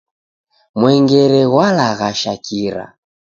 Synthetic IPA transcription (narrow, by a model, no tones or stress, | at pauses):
mwɛŋɡɛɾɛɣwalaɣaʃakʰiɾa̰